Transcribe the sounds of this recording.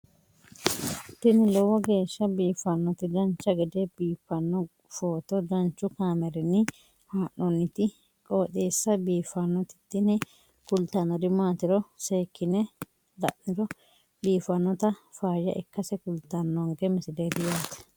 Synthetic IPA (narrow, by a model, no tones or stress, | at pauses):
t̪ːɪnɪlɔwɔɡe̞ːʃːɐbiːfɐnːɔt̪ɪd̪ɐnt͡ʃːɐɡɛd̪ɛbiːfːɐnːɔ | foːt̪ɔd̪ɐnt͡ʃːʊkaːmɛɾɛnːɪ | haːʔːɔnːɪt̪ɪ | kʼoːt̪eːsːɐbiːfɐnːɔt̪ɪ̥t̪ːɪnɛ | kʊlt̪ɐnːɔd̪ɪmaːt̪ɪɾɔseːkːɪnɛ | d̪ɐ̰ʔnɪɾɔ | biːfɐnːɔt̪ɐfaːjɐ̰ʔɪkːɐsɛkʊlt̪ːɐnːɔŋɡɛmɪsɪd̪eːd̪ɪjaːt̪ɛ̥